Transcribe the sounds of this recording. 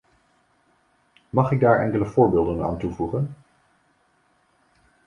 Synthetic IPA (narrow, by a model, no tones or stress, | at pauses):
mɑχɪɡ̚daːɹɛ̰ŋkələv̥ʊːɹbeːlˠdəna̰ːntuvuχən